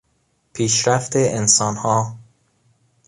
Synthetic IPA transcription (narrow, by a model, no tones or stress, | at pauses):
pʰiːʃɾæft̪eʔensɒːnhɒː